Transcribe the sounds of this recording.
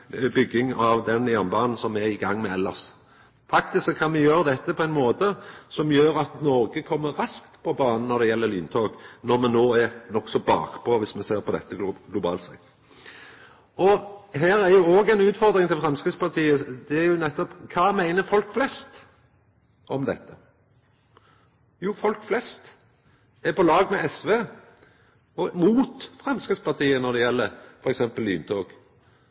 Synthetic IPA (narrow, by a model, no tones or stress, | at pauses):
bʏɡːɪŋɑʋd̪ɛnjæʁnbɑːnn̩sɔmɛɪɡɑŋːmɛɛlːɑs | fɑkt̪ɪssɔkʰːɑnmɛjøːɾəd̪ɛt̪ːəpʰɔæɪnmoːt̪əsɔmjøːɾɑt̪nɔɾɡəkʰɔmːəɾɾɑskt̪pʰɔbɑːnn̩ɔɾd̪ɛjɛlːəɾlyːnt̪ʰoːɡnɔɾmɛnoːæɾnɔksɔbɑ̰ːkpʰɔʋɪsmɛseːɾpʰɔd̪ɛ̰t̪ːəɡlʊbɑ̰ːlt̪sɛ̰t̪ː | ɔɦæːɾæɾjʊoːɡɛɪnʉːt̪fɔɾd̪ɾɪŋt̪ʰɪlfɾɑmskɾəspɑt̪ʰiːəd̪ɛæɾjʊnɛt̪ːɔpkʰɑːmæɪnəfɔlkflɛst̪ | ɔmd̪ɛt̪ːə | juːfɔlkflɛst̪ | æɾpɔlɑːɡmɛʔɛsʋeː | ɔmuːt̪fɾɑmskɾəspɑt̪ʰiːənɔd̪ɛjɛlːəɾfɔɾɛksɛmpəlːy̰ːnt̪ʰoːɡ